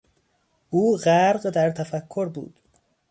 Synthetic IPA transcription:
ʔuːɢæɾɢd̪æɾt̪ʰæfækʰːoɾbṵːd̪̥

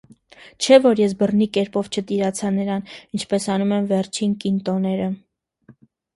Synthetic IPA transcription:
t͡ʃʰɛvɔɾjɛs̬bərnikɛɾpɔvt͡ʃʰət̪iɾɑt͡sʰɑnəɾɑnint͡ʃʰpɛsɑnumɛmvɛrt͡ʃʰinkint̪ɔnɛɾə

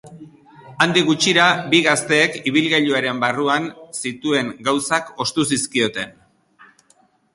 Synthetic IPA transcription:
and̪iɣut͡ʃiɾabiɣast̪e̞ːkiβ̞ilɣeʎuaɾe̞mbaruansit̪ue̞ŋɡawsako̞st̪usiskio̞t̪e̞n

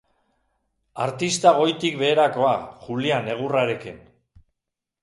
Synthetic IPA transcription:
aɾt̪ist̪aɣ̞o̞jt̪ikβe̞ːɾako̞axuliane̞ɣ̞uraɾe̞kin

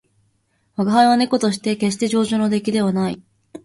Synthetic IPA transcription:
βaɡaɦaiβane̞ko̞t̪o̞ɕ̬i̥t̪e̞ke̞ɕ̬i̥t̪e̞ʑo̞ːʑoːno̞d̪e̞kʲid̪e̞β̞anaḭ

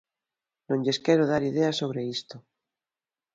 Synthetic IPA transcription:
nõɲʎeskeɾoðaɾiðeasoβ̞ɾeist̪o

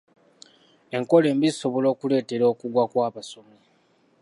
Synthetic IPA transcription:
e̞ŋko̞le̞ːmbiziso̞βo̞lo̞ːkule̞ːte̞ɾo̞ːkuɡwakwaːβaso̞mi

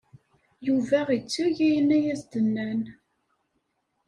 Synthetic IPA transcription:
juvæʁit͡sːuʝæjənæjæzd̪ənːæn

